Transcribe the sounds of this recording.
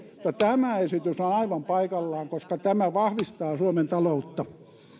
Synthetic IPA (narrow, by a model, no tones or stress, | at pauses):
t̪ːɑt̪æmæesit̪ysonɑiʋɑmpɑikɑlːɑːŋkoskɑt̪æmæʋɑhʋist̪ɑːsuoment̪ɑlout̪ːɑ